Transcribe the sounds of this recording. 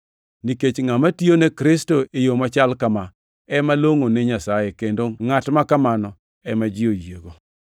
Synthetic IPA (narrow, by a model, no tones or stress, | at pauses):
niket͡ʃŋamatjonekɾɪstoejomat͡ʃalkama | ɛmaloŋoneɲasajekendoŋatmakamanɔ | ɛmad͡ʒɪojeɡo